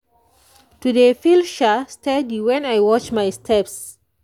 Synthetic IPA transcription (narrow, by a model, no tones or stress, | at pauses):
tuðefilʃastɛdiwɛ̃najwɔt͡ʃmajstʰɛps